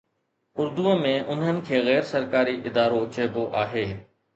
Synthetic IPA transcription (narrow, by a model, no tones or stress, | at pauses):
ʊɾd̪uə̃mẽʔʊnɦənɪ̆kʰeːɣɛːɾsɐɾkaːɾiʔɪd̪aːɾot͡ɕeːboʔaːɦeː